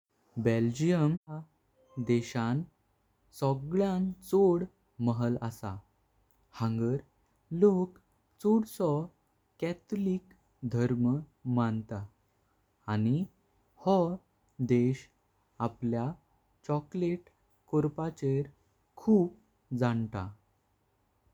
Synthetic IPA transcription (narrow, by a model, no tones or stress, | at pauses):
beld͡ʑijəma | d̪eɕãn | sɔɡɭjãnt͡soɽ | məɦələsa̰ | hə̃ŋɡəɾ | lok | t͡soɽsɔ | kɛt̪lik | d̪ʱəɾməmant̪aː | ni | hɔ | d̪eɕ | aplja | t͡ɕɔkleʈ | koɾpat͡ɕeɾ | kʰuːb | d͡zant̪a